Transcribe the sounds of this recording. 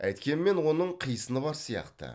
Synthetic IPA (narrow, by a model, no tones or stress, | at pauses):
æ̰jt̪kʲe̞nɪme̞nwo̞nəɴqʰijəsənəbɑɾsijɑ̰qt̪ə̰